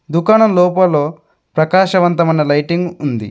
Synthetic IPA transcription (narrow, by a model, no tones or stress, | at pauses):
d̪ukaːɳɐlɔːpɐloː | pɾɐkaːʃɐʋɐnt̪ɐmɐjnɐlɐjʈiŋɡund̪ḭ